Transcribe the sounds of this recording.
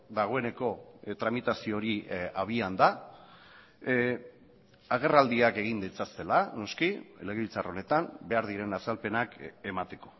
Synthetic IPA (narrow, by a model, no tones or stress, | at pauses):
d̪aɣ̞o̞e̞ne̞ko̞t̪ɾamit̪asio̞ɾiaβ̞iand̪a | aɣ̞e̞rald̪iake̞ɣ̞ind̪et͡sast̪e̞lano̞skieleɣilt͡saro̞ne̞t̪ambe̞aɾðiɾe̞nasalpe̞nake̞mat̪e̞ko̞̥